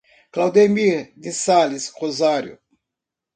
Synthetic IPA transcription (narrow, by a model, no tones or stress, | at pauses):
klawd̪emiɾd̪isalisʁozaɾjʊ̰